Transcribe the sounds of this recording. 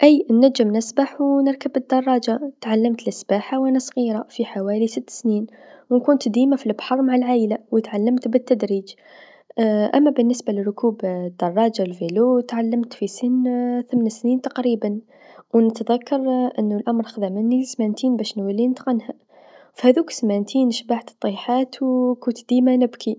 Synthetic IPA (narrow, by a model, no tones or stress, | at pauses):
ʔæjnːæd͡ʒːəmnəsbaħwnəɾˤkəbəd̪ːɑrˤːɑd͡ʒat̪ʕalːəmt̪əlʔɪsbaħawʔænæsˤɣiɾˤafiħawælisət̪ːsniːn | wnkunt̪d̪iːmafilbħɑrˤmaʕalʕaːjlawət̪ʕalːəmt̪bət̪ːæd̪ɾiːd͡ʒ | ʔæ̰mːæbənːəsbalərːʊkubd̪̥ːɑrˤːɑd͡ʒawlvelut̪ʕalːəmt̪fisənːθəmnsniːnt̪ɑqɾiban | wnət̪ðækːɑɾˤʔənːʊlʔamɾˤxəd̪aʕmənːismænt̪iːnbæʃnwəlːinət̪qɑnha | fhæðuːksmænt̪ʰinʃbaʕt̪t̪ˤːiħat̪wkunt̪d̪imanəbkʰi